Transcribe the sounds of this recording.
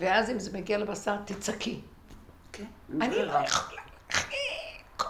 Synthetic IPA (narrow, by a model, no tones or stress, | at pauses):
veazimzemeɡialebasaʁt̪it͡sakʰi | kanilojaχo̥lalaχik